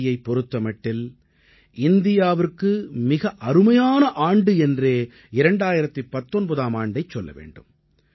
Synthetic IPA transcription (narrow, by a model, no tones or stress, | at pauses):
jɐɪpːɔɾɯt̪ːɐmɐʈːɪl | ɪnd̪ɪjaːʋɪrkːɯmɪɣɐʔɐɾɯmɐjaːnɐʔaːɳɖɯɛndreː | ɪɾɐɳɖaːjɪɾɐt̪ːɯpːɐt̪ːɔnbɐðaːmaːɳɖɐɪt͡ʃːɔlːɐ̰ʋḛːɳɖɯm